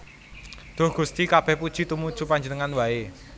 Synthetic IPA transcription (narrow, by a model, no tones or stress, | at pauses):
d̪̥o̤hɡ̥ṳst̪ikab̥ɛhpud̥ʒ̥i̤t̪umud̥ʒ̥upaɲd͡ʒənəŋanwae